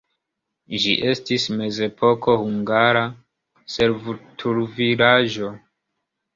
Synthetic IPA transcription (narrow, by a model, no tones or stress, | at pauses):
ʒḭʔe̞stisme̞ze̞pʰo̞ko̞huŋɡaɾa | se̞ɾvutʰuɾvilaʒo̞